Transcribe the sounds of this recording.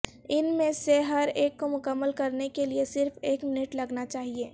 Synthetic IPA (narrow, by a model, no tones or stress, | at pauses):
ɪnmẽseɦɐɾeːkːomʊkəmːəlkɐɾnekeliesɪɾfʰeːkmɪnɪʈlɐɡnat͡ʃaːɦieː